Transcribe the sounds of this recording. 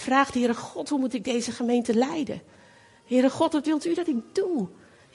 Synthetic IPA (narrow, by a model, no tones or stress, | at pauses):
fraːχdəɦɪːɾəχɔtɦumutɪɡ̚dejzəχəmejntəlɛjdə̰n | ɦɪːɾəχɔtʋɑtʋɪlˠtydɑtɪk̚du